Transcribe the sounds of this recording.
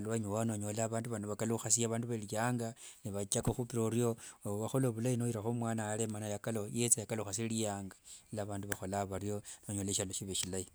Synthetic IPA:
alwaɲowanoɲolaːβaːnduβanaβakaluxasiaβaːnduβalijaːŋɡaniβat͡ʃakoxupiɾoɾiooβaxoloβulainojiɾaxomwaːnaːlemanajakalojet͡sajakalouxasilijaːŋɡḁilaβaːnduβaxo̞laβarjo̞noɲoleʃaloʃiβeʃilai

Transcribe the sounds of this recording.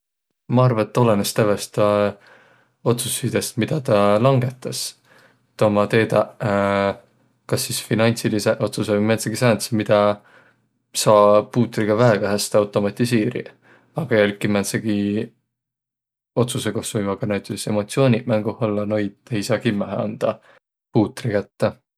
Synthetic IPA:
mɑɑrvɑet̪ːo̞lenest̪ævest̪ɑ | o̞t̪susid̪̥e̞st̪mid̪̥ɑt̪ɑlɑŋɡe̞t̪ːˑɑs | t̪omɑt̪e̞ːd̪ɑ | kɑsːisfinɑnʲsiliseʔo̞t̪susemenseɡ̥isɑːnsemid̪̥ɑ | sɑːpuːt̪ːˑriɡ̥ɑvæɦeɡ̥ɑɦæst̪ɑwt̪ˑo̞mɑt̪ʲˑiseːɾḭ | ɑɡ̥ɑjelkːˑiment̪seɡ̥i | o̞t̪suseko̞hsvujmɑɡ̥ɑnæt̪ːˑise̞mo̞t̪sio̞ːnʲiʔmæŋɡ̥uholːɑno̞jd̪ejsɑːkimːæɦḛɑ̰nd̪̥ɑ | puːt̪ːˑɾikæt̪ːæ

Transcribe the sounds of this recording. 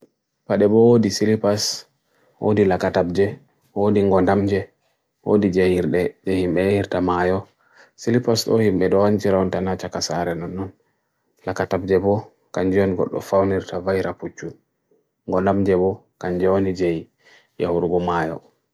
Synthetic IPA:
paɗɛbɔwodisilipas | wʔo̰dilakatab̚d͡ʒɛ | wodiŋɡɔndamd͡ʒɛ | wo̰did͡ʒɛjiɾɗɛd͡ʒɛhimɓɛhiɾtamajɔ | silipasɗɔhimɓɛɗɔwant͡ʃiɾawɔntanat͡ʃakasaɾɛnɔnːɔn | lakatab̚d͡ʒɛbɔ | kaɲd͡ʒɛɔnɡɔ̰ɗːɔ̰fawniɾtavajɾaput͡ʃːu | ŋɡɔndamd͡ʒɛbɔ | kaɲd͡ʒɛwonid͡ʒej | jahuɾuɡɔmajɔ̰

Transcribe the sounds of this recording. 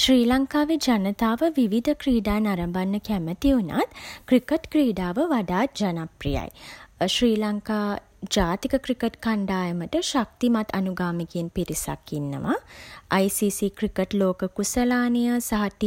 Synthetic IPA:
ʃriːlaŋkaːʋed͡ʒanət̪aːʋəʋiʋid̪ʱəkriːɖaːnaɾəmbanːəkæmət̪iuna̰t̪krikəʈkriːɖaːʋəʋaɖaːt̪̚d͡ʒanaprḭja̰jʃriːlaŋkaː | d͡ʒaːt̪ikəkɾikəʈkaɳɖaːjəməʈəʃak̚t̪imat̪ʰːanuɡaːmikeːnpiɾisa̰kːinːə̰ʋa̰ajsisikrikəʈloːkəkusəlaːnəjəsaɦat̪i

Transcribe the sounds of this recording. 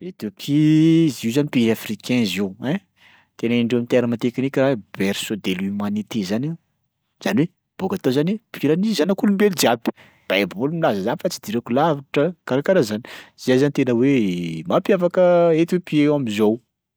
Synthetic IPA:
et̪upʰizizanipiɾafrikʰɛ̃zewɛ̃ | t̪eniɳɖ͡ʐewamint̪eɾəmat̪ekinikʲɾabɛɾsod̪elymanit̪ezani | z̥aniwe | b̥okat̪ozanepiɾanizanakulumbeld͡ʒiabi̥ | b̥aebulumilazəzanifat͡sid̪iɾekulavaʈ͡ʂəkaɾakaɾazani̥zajzanit̪enəwemapjafakəet̪wepiewamizow

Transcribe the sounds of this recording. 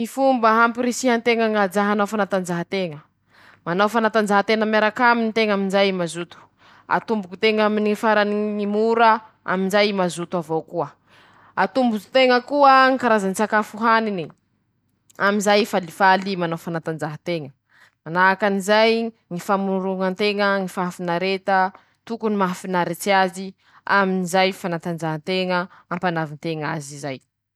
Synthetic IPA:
mifumbəɦampiɾesiɦant̪eŋəŋad͡ʒaɦanawfanat̪and͡ʒaɦat̪eŋə | manawfanat̪and͡ʒaɦat̪eŋamaɾakaminit̪eŋaminzajmazut̪u̥ | a̰t̪umbukut̪eŋaminiifaɾaniŋimuɾə | a̰minzajmazut̪uavowkuə | at̪umbut̪u̥t̪eŋəkuəŋikaɾazanit͡sakafuɦanini | aminzajfalifalimanofanat̪and͡ʒaɦat̪eŋə | manakanizaj | ŋifamuɾuŋənt̪eŋəŋifafinaɾet̪ə | t̪ukunimafinaɾet͡siazi | aminizajfanat̪and͡ʒaɦənt̪eŋəampanavint̪eŋazizaj

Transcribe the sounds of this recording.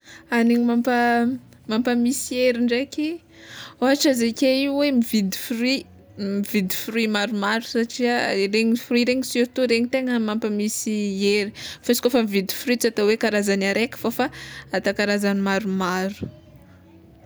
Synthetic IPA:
aniɲimampa | mampamisieɾiɳɖ͡ʐekʲi | oaʈ͡ʂazekʲeiwemivid̪i̥fri | mivid̪ifrimaɾumaɾu̥saʈ͡ʂiareɲifɾuiɾeɲisiɾt̪uɾeɲit̪eŋəmampamisieɾifasi̥kofəmivid̪i̥fɾit͡sat̪awekaɾazanaɾekə̥fofaat̪akaɾazanimaɾumaɾu̥

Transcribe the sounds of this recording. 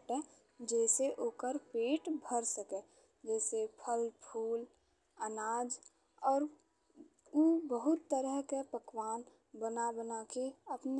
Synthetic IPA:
ʈɛ | d͡ʒɛːseʔoːkəɾpeːʈbʱəɾsəke | d͡ʒɛːsepʰəlpʰuːl | ənaːd͡ʒ | ɔːɾ | ubəɦʊt̪ːəɾəɦkepəkwaːn | bənabənakeəpn

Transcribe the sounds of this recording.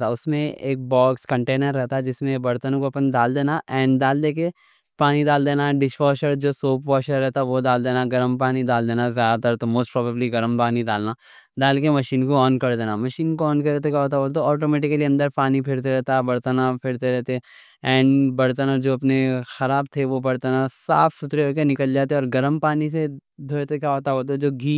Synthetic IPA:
t̪aʊsmẽeːk̚bɔːkskɐ̃ɳʈeːnəɾːɛɦt̪aɦɛd͡ʒɪsmẽbɐɾt̪ənõkoɐpənd̪aːld̪eːnaʔɛ̃ːɳɖd̪aːld̪eːk̬e | paːnid̪aːld̪eːnaɖɪʃʋɔːʃəɾd͡ʒoːsoːpʋɔːʃəɾːɛɦt̪aʋod̪aːld̪eːnaɡɐɾəmpaːnid̪aːld̪eːnazjaːd̪at̪ɐɾt̪omoːsʈpɾɔːbəbliɡɐɾmpaːnid̪aːlna | d̪aːlkemɐʃiːnkoɔːnkɐɾd̪eːnamɐʃiːnkoɔːnkɐɾet̪okʲjaːɦoːt̪aɦoːt̪̬oɔːʈoːmɛːʈɪkəliɐ̃nd̪əɾpaːnipʰɪɾt̪eɾɛɦt̪abɐɾt̪anapʰɪɾt̪eɾɛɦt̪e | ɛ̃ːɳɖbɐɽt̪anad͡ʒoːɐpnexɐɾaːbt̪ʰeʋobɐɾt̪anasa̰ːfʰsʊt̪ɾeɦoːkenɪkəld͡ʒaːt̪eeɔːɾɡɐɾəmpaːnised̪ʱoːet̪okʲjaːɦoːt̪aoːt̪̬od͡ʒoːɡʱiː

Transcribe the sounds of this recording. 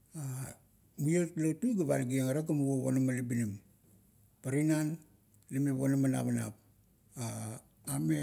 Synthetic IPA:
a | mietlatujɡaβa̰lɡieŋaɾaɡamuβoβo̰namalibinim | paɾinan | limeβo̰namana̰βana̰p̚ | a | ame

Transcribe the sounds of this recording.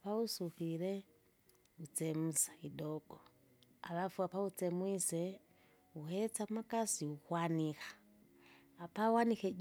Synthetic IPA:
pausufiɾɛ | ut͡sɛmusḁidɔɡ̥ɔ | a̰βafuapaut͡sɛmwisɛ | uhɛt͡saumakasiukwanikḁː | pawanikɛd͡ʒ

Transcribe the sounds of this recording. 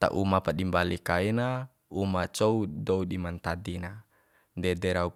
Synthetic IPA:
t̪a̰ʔumapaɗimbalikaina | umat͡ʃoudoudimant̪adina | ndɛdɛɾau

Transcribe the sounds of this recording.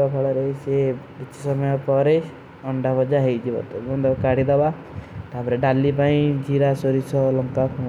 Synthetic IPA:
apʰɔɭɔɾesebit͡ʃʰi̥sɔmɔjɔpɔɾe | ɔɳɖabʱɔd͡ʒaɦejd͡ʒibɔ̰t̪ɔɔnd̪ɔkaɽid̪ɔba | t̪apɔɾeɖalːipaĩd͡ʒiɾasoɾisɔlɔŋkakʰu

